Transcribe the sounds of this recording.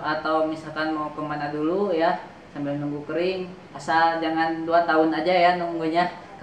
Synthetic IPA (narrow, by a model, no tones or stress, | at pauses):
at̪awmisalkanmawkəmanaduluja | sambɪlnuŋɡukəɾɪŋ | asad͡ʒaŋanduat̪aʊnad͡ʒajanuŋɡuɲa | k